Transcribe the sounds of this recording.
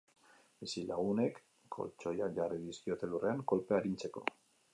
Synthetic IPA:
esilaɣ̞une̞kː | o̞̰lt͡ʃo̞jaʝariðiskio̞t̪e̞lure̞aŋko̞lpeaɾint͡se̞ko̞̰

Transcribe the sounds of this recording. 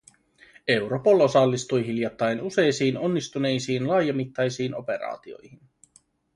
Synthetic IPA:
e̞wɾo̞po̞lo̞sɑlːist̪ujɦiljɑt̪ːɑjnuse̞jsiːno̞nːist̪une̞jsiːnlɑːjɑmit̪ːɑjsiːno̞pe̞ɾɑ̰ːt̪io̞̰jhin

